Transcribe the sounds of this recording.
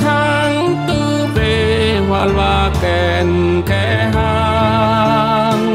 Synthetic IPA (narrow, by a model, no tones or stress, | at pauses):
ɦa | n | t̪u | be | walwa | kɛ | n | kɛ | ɦa | n